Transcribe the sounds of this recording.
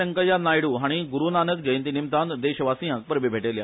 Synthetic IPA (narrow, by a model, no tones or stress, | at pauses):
əŋkəjanajɽuɦaɽ̃iɡuɾunanət̪̚ɡəjnt̪inimt̪and̪eɕəʋasĩjãk̚pəɾbʱebʱeʈelja̰